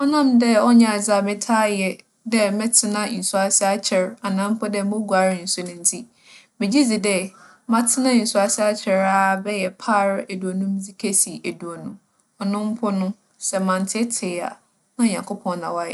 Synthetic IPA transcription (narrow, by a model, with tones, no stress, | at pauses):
ɔ˦nã˦mdɛ˦ɔ˦ɲã˨a˨d͡za˨mɪ̃˦tʰaː˦jɛ˨ | dɛ˦mɛ̃˦tʰɪ˦nã˦˨n̩˨su˦a˨sɪ˦a˦t͡ɕʰɛ˨ɾa˨nã˦m̩˦pʰɔ˦dɛ˦mõ˦ɡu˨a˨ɾɪ˦n̩˨sʊ˦nʊ̃˦n̩˦tʰi˦ | mɪ̃˨d͡ʑi˦d͡zi˨dɛ˦ | mã˦tʰɪ˦nã˦˨n̩˨su˦a˨sɪ˦a˦t͡ɕʰɛ˨ɾa˦bɛ˦jɛ˨pʰaː˦˨ɾæ˨du˨o˨nũ˦m˦d͡zi˨kʰe˦si˨ʔæ˨du˨o˨nũ˨ | ɔ˨nʊ̃˦m̩˦pʰɔ˦nʊ̃˦ | sɛ˨mã˨n˨tʰɪ˦tʰɪː˨˦a̰˨ | nã˦˨ɲã˨ŋkʰo˦pʰɔ̃˨nnã˨wa˦jɛ̰˨